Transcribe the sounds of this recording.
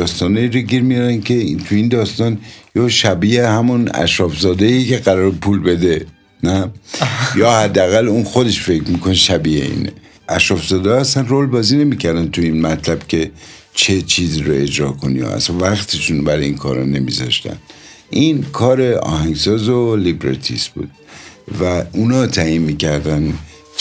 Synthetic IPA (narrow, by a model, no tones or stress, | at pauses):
d̪ɒːst̪ɒːnɒiɾoɟiɾmijɒɾænkʰe̞t̪ʰuind̪ɒːst̪ɒːnjoʃæbiehæmunæ̰ʃɾɒfzɒːd̪eike̞ɣæɾɒːɾepʰuːlbe̞d̪e̞ | næ | jɒːhæd̪ːeæɣælunxo̞d̪e̞ʃfe̞cmikoneʃæbiḛḭːnḛ | ʔæʃɾɒːfzɒːd̪eæst̪ænroːlbɒːziːne̞miːcʰæɾd̪ænt̪ʰuinmæt̪ʰlæb̥cʲʰe̞ | t͡ʃʰe̞t͡ʃʰiːziːɾoe̞d͡ʒɾɒːkʰonḭjo̰æ̰svæxt̪ʰiʃuːnbæɾeiːnkʰɒ̰ːɾɒne̞mizɒ̰ʃt̪æ̰n | ʔinkʰɒːɾe̞ɒ̰ːhæŋɡsɒːzolibɾḛɾt̪ʰḭsb̥ṵːd̪̥̚væunɒːt̪ʰæinmiːcæɾd̪æn